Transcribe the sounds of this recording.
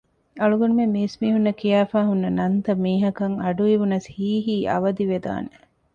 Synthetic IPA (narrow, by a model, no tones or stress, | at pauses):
ɐɭuɡɐnumemiːsmiːɦunːɐkijaːfaːɦunːɐnɐnt̪ɐmiːɦɐkɐŋɐɖuiʋunɐshiːɦiːʔɐ̰ʋɐd̪iʋed̪a̰ːne